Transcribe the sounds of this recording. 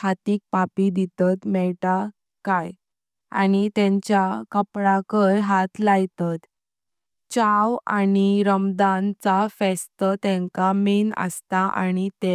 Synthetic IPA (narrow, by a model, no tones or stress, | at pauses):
kat̪iːk̚papid̪it̪at̪mɛɭʈa | kaj | a̰nit̪ɛ̃ɲt͡ɕjakəpɽãkəɾɦat̪lajt̪at̪ | t͡ɕawa̰niɾəmd̪ant͡safɛst̪ət̪ɛ̃ŋkaminə̰st̪aʔa̰ñit̪e